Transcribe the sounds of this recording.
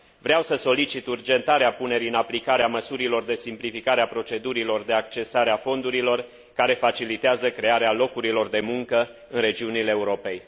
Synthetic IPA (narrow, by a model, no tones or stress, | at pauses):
vɾeawsəso̞lit͡ʃit̪urd͡ʒe̞nt̪aɾeapune̞ɾiɨnaplikaɾeaməsuɾilo̞rd̪e̞simplifikaɾeapɾo̞t͡ʃe̞d̪uɾilo̞rd̪e̞ak̚t͡ʃe̞saɾeafo̞nd̪uɾilo̞r | kaɾe̞fat͡ʃilit̪eazəkɾe̞aɾealo̞kuɾilo̞rd̪e̞muŋkə | ɨnre̞d͡ʒiunileːuɾo̞pe̞j